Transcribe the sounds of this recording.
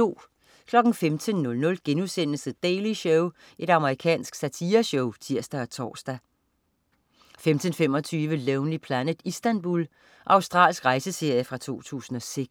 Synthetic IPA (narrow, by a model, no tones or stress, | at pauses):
o̝̰ː | kʰlɒ̽ɡ̥n̩femt͡sʰənːɔ̽lnɔ̽lɡ̥enusen̰lsəd̥eːliɕɔʊ | ʔe̝ɾɑ̈məʁikʰɛ̰ːnsɡ̥sæt͡sʰiːɐɕɔʊt͡sʰiɐ̰sd̥æɒ̽t͡sʰɒ̰ːsd̥æ | femt͡sʰənfem̰ɒ̽t͡sʰyːʋəleʊnlipʰlænəð̥ˠisd̥ænb̥ul | ʔɑ̈ʊsd̥ʁɑ̰̈ːlsɡ̥ʁɑ̈ɪsəse̝ɐ̰jəfʁɑ̈t͡sʰo̝̰ːt͡sʰṵːsn̩ɒ̽seɡ̥